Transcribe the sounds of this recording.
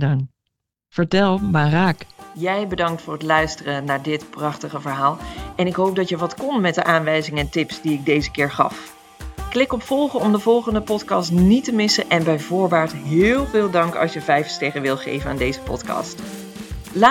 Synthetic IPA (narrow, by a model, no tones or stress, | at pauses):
dŋ | v̥əɹtɛlˠmaːraːkjɛjbədɑŋk̚tfʊːɹətlœɥstərənaːɹdɪtprɑχtəχəvəɹɦaːlˠʔɛnɪkɦowp̚dɑtjəʋɑtkɔnmɛt̚dəʔaːnʋɛjzɪŋəɛntɪpsdiɪɡ̚dejzəkɪːɹχɑ̰f | klɪkɔpfɔlˠχəɔmdəvɔlˠχəndəpɔtkɑstnitəmɪsəʔɛnbɛjvʊːɹbaːɹtɦɪːlˠvɪːlˠdɑŋkɑ̰lˠʃjəvɛjfsteχəʋɪlˠtχḛjvənaːndejzəpɔ̰tkɑ̰ːst | la